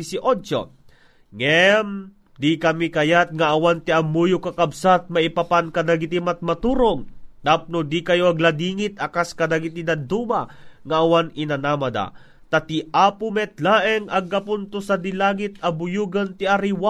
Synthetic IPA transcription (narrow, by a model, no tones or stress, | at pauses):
isɪʔot͡ʃo̰ | ŋɛm | d̪ikɐmikɐjat̪̚ŋaːwant̪iamːuːjʊkakɐbsat̪̚mɐipapankɐd̪aɡɪt̪imat̪̚mɐt̪uːɾoŋt̪ap̚nod̪ikɐjoɐɡlad̪iːŋit̪̚ɐkaskɐd̪aɡit̪id̪ɐd̪umaŋaʔːwanɪnanamɐd̪a̰ | t̪at̪iʔaːpʊmɛt̪laʔɛŋɐɡkapʊnt̪ʊsad̪ilaːɡɪt̪ɐbʊjuːɡant̪iʔaɾiwa